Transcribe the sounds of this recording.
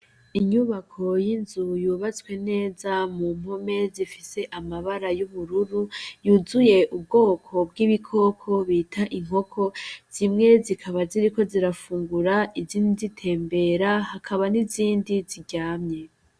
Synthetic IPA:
iɲuβakʰo̞jinzujuβat͡swe̞ne̞ːzamum̥ɦo̞me̞zifise̞ʔamaβaɾajuβuɾuɾujuːzuje̞ʔub̚ɡo̞ːkʰo̞bɡiβikʰo̞ːkʰo̞βiːtʰaʔiŋ̥ɦo̞kʰo̞z̥imŋe̞zikʰaβaziɾiko̞ziɾafuːŋɡuɾaiziːndizitʰe̞ːmbe̞ɾahakʰaβaniziːndiziɟaːmɲe̞

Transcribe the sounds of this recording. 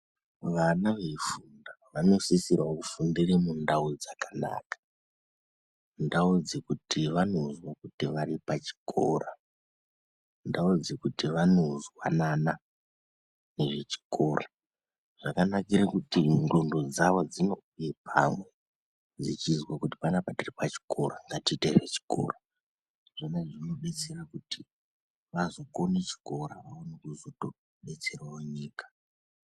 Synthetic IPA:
ʋanaʋe̞fundaʋano̞sisiraokufundiremundaud͡zakana̰ːkḁ | ndaud͡zekutiʋano̞zwakutiʋaɾipat͡ʃi̥kʰo̞̰ra | ndaud͡zekutiʋano̞zwa̰nana | ne̞ʐe̞t͡ʃi̥kʰo̞ra | ʐ̥akanakiɾekutiŋɡo̞ndo̞d͡zaʋod͡zino̞ujepʰa̰mwe | d͡zit͡ʃizwakuti̥panapatiripat͡ʃi̥kʰo̞raŋɡatiteret͡ʃi̥ko̰ra | ʐ̥anaʐino̞ɓe̞t͡se̞rakuti | ʋazo̞ko̞net͡ʃi̥ko̞ɾaʋaonekuzoto | ɓe̞t͡se̞rwawoɲiːkḁ

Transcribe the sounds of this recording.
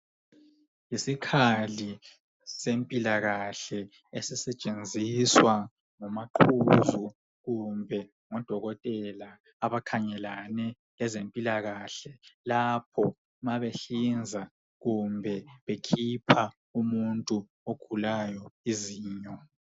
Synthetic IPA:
jisikʰali | sempʼilaɣaɬɛ | esisɛt͡ʃʼend͡zʱiswa | ŋɔmaǃʰuzu | ɣumbʱɛ | ŋɔd̥ʱɔɣɔtʼɛlaː | βakʰaɲɛlanɛ | lɛzempʼilaɣaɬɛlap̚ʰɔ | maβeɬind͡zʱa | ɣumbʱɛβekʰipʰa | umuntʼu | oɡ̥ʱulajɔiziːɲɔ

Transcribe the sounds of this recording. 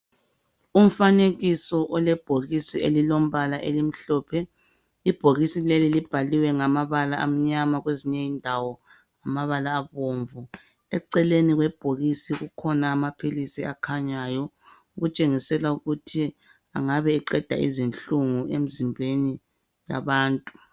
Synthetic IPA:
um̩faneɣisɔʔɔlɛb̥ʱoɣisielilom̩βalaʔelim̩ɬɔːpʰɛ | ib̥ʱoɣisilelilib̥ʱaliwɛŋamaβalaam̩ɲamaɣweziɲɛindʱawɔ | amaβalaːβoːɱvu | ɛǀɛleniɣwɛb̥ʱoɣisiɣukʰɔnaːmapʰilisiakʰaɲaːjɔ | uɣut͡ʃʼeŋisɛlauɣutʰi | aŋaβɛːǃɛd̥ʱa̰ḭzinɬuŋuem̩zimbʱeni | ja̰βaːntʼu̥

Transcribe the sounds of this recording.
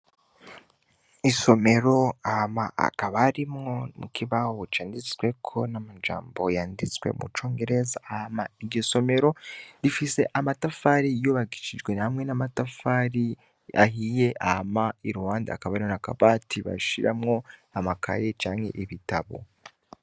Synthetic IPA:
iso̞me̞ɾo̞ahamaa̰kaβaɾimŋo̞mṵkʰiβahoot͡ʃaːndit͡swe̞kʰo̞namad͡ʒa̰ːmbo̞jaːndit͡swḛmṵt͡ʃo̞ːŋɡe̞ɾe̞zaːhamaiɾɟoso̞me̞ɾo̞ɾifise̞ʔamatafaɾijoβaɡiʃid͡ʒɡwe̞hamŋe̞namatafaɾi | a̰hije̞ʔahamaiɾuwaːnda̰ːkaβaɾimonaka̰βatʰiβa̰ʃiɾa̰mŋo̞amaka̰je̞t͡ʃaːŋhe̞̰ʔiβitaβo̞̰

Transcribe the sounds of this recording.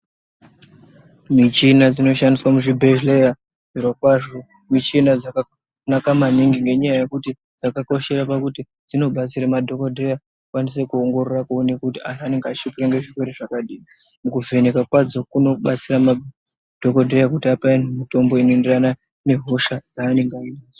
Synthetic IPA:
mit͡ʃinad͡zino̞ʃandiswamuʐibʱeʒleja | virwakwaʐo | mit͡ʃinad͡zaka | nakamaniŋɡiŋɡe̞ɲajaje̞kuti | d͡zakako̞ʃe̞ɾapakuti | d͡zino̞ɓat͡siɾamadʱo̞kodʱeja | kwanis̬e̞kuoŋɡo̞ɾorakounekutianane̞ŋɡeat͡ʃipiɾaŋɡe̞ʐikweɾeʐakaɗiːi | mukuve̞nekakwad͡zo̞kuno̞ɓat͡sirama | d̥ʱo̞kodʱejak̬utiapainmito̞mbo̞inoenderana | ne̞ɦo̞ʃad͡zaːne̞ŋɡainaːd͡zo

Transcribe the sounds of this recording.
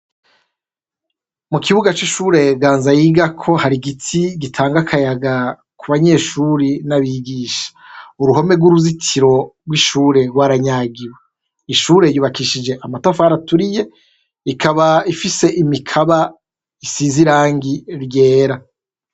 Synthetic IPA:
mukiβuɡat͡ʃiʃuːɾe̞ɡaːnzajiːɡakʰo̞haɾiɡitʰiɡitʰaːŋɡakʰajaɡa | kuβaɲe̞ːʃuɾinaβiɡiːʃḁuɾuɦo̞me̞ɡwuɾuzitʰiɾo̞ɾɡwiʃuːɾe̞ɡwaːɾaɲaɡiwe | iʃuːɾe̞juːβakiʃid͡ʒe̞ʔamatafaaɾatuɾije̞ | ikʰaβaifise̞ʔimikʰaβa | isiziɾaːŋɡiɾje̞ːɾa

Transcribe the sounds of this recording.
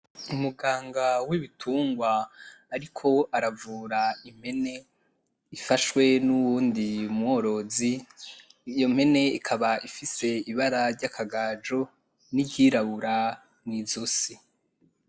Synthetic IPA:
umuɡaːŋɡawiβitʰuːŋɡwaːɾikʰo̞aɾavuːɾaim̥he̞ne̞ | ifaʃwe̞nuβuːndiumho̞ɾo̞zi | jo̞m̥he̞ne̞ikʰaβaʔifise̞iβaɾaɾɟakʰaɡaːd͡ʒo̞ | niɟiɾaβuɾa | nizosi

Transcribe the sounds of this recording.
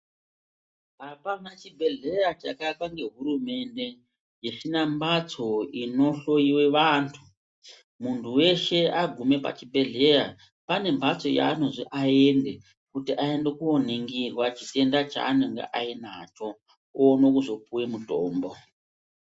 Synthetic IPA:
apanat͡ʃibʱe̞ɮe̞jat͡ʃakakwaŋɡe̞ɦuɾume̞nde̞ | jeʃinambat͡so̞ino̞ɬo̞iwe̞ʋaːntʰu | muntʰuwe̞ʃe̞aɡʱume̞pa̰t͡ʃibʱe̞ɮe̞ja | pane̞mbʱat͡so̞ja̰ːno̞ʐiʔae̞nde | kutiʔae̞nde̞kuoneŋɡirwat͡ʃite̞ndat͡ʃa̰ːneŋɡḛʔainat͡ʃo̞ | ono̞kuzo̞puwemutoːmbo

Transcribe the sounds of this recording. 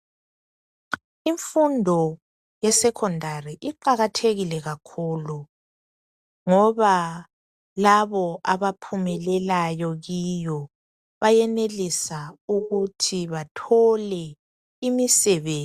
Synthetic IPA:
iɱfundʱɔ | jɛsɛkʰɔndʱariʔiǃaɣatʰeɣilɛɣakʰuːlu | ŋɔβa | laβɔʔaβapʰumɛlɛlajɔɣijɔ | βajɛnelisauɣutʰiβatʰɔlɛ | imisɛβeː

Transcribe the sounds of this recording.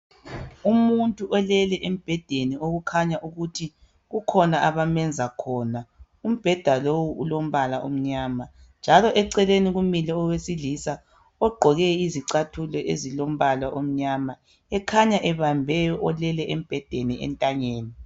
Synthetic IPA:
umuntʼuʔɔlɛlɛʔem̩b̥ʱɛd̥ʱenioɣukʰaɲaʔuɣutʰi | ɣukʰɔnaʔaβamɛnd͡zʱakʰɔːna | um̩b̥ʱɛd̥ʱalowuulom̩βalaʔom̩ɲaːma | nd͡ʒʱalɔʔɛǀɛleniɣumilɛɔwesilisa | ɔɡ͡ǃʱɔɣɛiziǀatʰulɛʔḛzilom̩βalaʔom̩ɲama | ɛkʰaɲaʔɛβambʱɛjɔʔɔlɛlɛʔem̩b̥ʱɛd̥ʱeniʔɛ̰ntʼaɲeːni

